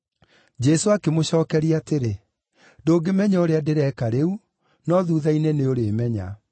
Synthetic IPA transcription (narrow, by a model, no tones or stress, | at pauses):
d͡ʒɛsoakemoɕɔːkɛɾiateɾe | doːɡemɛɲaoɾeadeɾɛkaɾeu | nɔðuːðaineneoɾeːmɛɲa̰